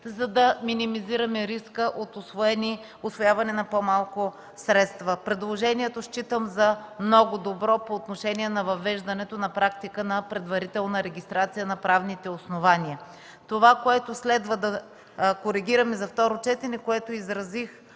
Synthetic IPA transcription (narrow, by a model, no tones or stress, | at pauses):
zɐd̪ɐminimiziɾɐmɛɾiskəʔot̪osvoɛni | ʊsvojavɐnɛnɐpomalˠko | sɾɛt̪st̪vəpɾɛd̪lˠoʒɛniɛt̪oʃt͡ʃit̪əmzɐmnɔɡʊd̪obɾɔpoːt̪noʃɛniɛnɐvɐvɛʒd̪ɐnɛt̪onɐpɾak̚t̪ikənɐpɾɛd̪vɐɾit̪ɛlˠnɐɾɛɡʲist̪ɾat̪sijənɐpɾavnit̪ɛosnovaniə | t̪ovakoɛt̪oslɛd̪vəd̪ɐ | koɾiɡʲiɾɐmɛzɐft̪ɔɾot͡ʃɛt̪ɛnɛkoɛt̪oizɾɐzix